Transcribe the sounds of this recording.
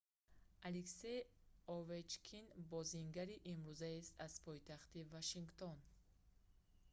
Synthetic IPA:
alekse̞jovet͡ʃkʰinbɔziŋɡaɾiʔimɾuzaest̪az̥pʰɔjt̪aχt̪ivaʃiŋɡt̪ʰon

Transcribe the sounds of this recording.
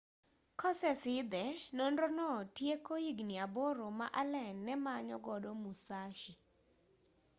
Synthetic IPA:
kɔsɛsɪd̪ɛnɔndonɔtjekoiɡniaboɾoma̰ʔalɛnːɛmaɲɔ̰ɡɔdɔmusaʃi

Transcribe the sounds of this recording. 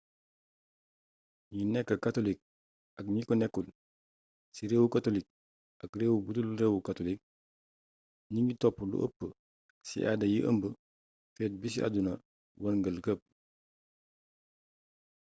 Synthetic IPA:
ɲinɛkːɐkatolik̚ | ɐk̚ɲikɔnɛkːul | siɾeːwukatolik̚ | ɐkreːwubutulɾewukatolik̚ | ɲiŋɡitɔpːulṵʔə̰pːə | sḭʔadɐjiʔə̰mbə | fɛt̚bis̬iʔa̰dunɐ | wɐnɡəlkəp̚

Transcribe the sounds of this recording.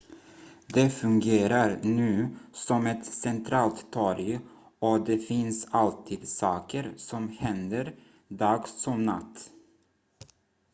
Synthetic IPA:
d̪ɛfɵŋɡeːɾaɾnʉ̟ːsɔmɛt̪sɛnt̪ʰɾɑːlt̪t̪ʰɔɾj | ɔd̪ɛfɪnsalt̪ʰiːd̪sɑːkəɾsɔmhɛnd̪əɾ | d̪ɑːɡsɔmna̰t̪ː

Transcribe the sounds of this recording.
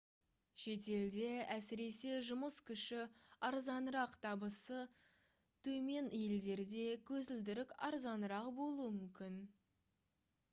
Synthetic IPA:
ʃe̞t̪e̞ld̪e̞æsɪɾe̞se̞ʒʊməskʲʰʏʃɪɑɾzɑnɾɑqt̪ʰɑbəsə | t̪ʰɵme̞njeld̪e̞ɾd̪e̞kʲʰɵzɪld̪ɪɾɪkʲɑɾzɑnəɾɑqbo̞lˠuəmʏmkʲɪn

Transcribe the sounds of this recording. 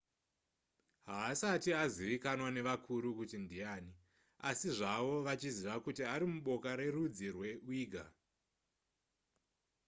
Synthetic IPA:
ɦaːsatiaziʋikanwane̞ʋakʰuɾukutindiaːni | asiʐaʋo̞ʋat͡ʃiziʋakutiaɾimuɓo̞kaɾe̞rud͡zirwe̞wiːɡʱa

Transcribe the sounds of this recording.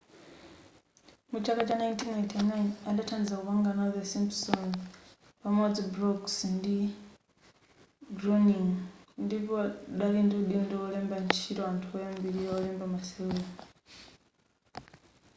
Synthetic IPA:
mut͡ʃʰakat͡ʃanajntʰinajntʰɛnajnaɗatʰand͡zzauwaŋɡanaðɛsimpsɔn | pamwɔd͡zibɾɔksndi | ɡrɔniŋndipɔɗalindiuɗindɔɔlɛmbant͡ʃʰitɔantʰuɔjambiɾiɔɔlɛmbamasɛuna

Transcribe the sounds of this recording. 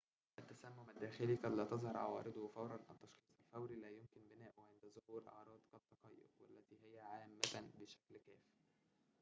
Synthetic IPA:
ʔæt̪ːæsæmːomæd̪ːæːxeliqɑd̪læːt̪ɑzˤhɑɾˤʕɑ̰wɑ̰ːɾed̪ˤfɑwɾˤɑnʔæt̪ːɑʃxiːsˤælfæwɾilæːjomkɪnbenæːʔoʕend̪æzˤʊhuːɾʔɑ̰ʕɾˤɑːd̪kɑt̪ːɑqɑjːo̰ɾwælːæt̪iːɦɪjæʕaːmːæt̪beʃæklkæːfi

